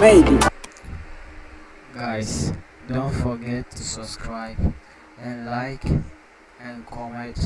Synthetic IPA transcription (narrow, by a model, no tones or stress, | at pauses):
ɛ̃nti | ɡajs | dõntfɔɡɛtʰːusabskʰɹajb | ɛ̃nlajk | ɛ̃nkʰɔmɛ̃nt